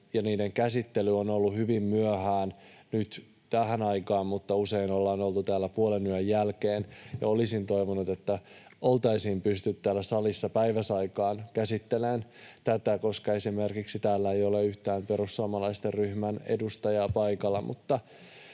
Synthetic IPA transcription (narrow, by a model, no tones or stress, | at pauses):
jɑniːdeŋkæsit̪ːelyonolːuhyʋimmyøhæːnnyt̪ | t̪æɦænɑikɑːmmut̪ːɑuseinolːɑːnolt̪ut̪æːlːæpuolenyøjjælkeːnjɑ̰olisint̪o̞iʋonut̪et̪ːæolt̪ɑisiːmpyst̪yt̪tæːlːæsɑlisːɑpæiʋæsɑikɑːnkæsit̪ːelent̪æt̪ækoskɑesimerkiksit̪æːlːæejoleyht̪æːmpeɾusːuomɑlɑist̪erryhmænḛdust̪ɑjɑpɑikɑlːɑmṵt̪ːɑ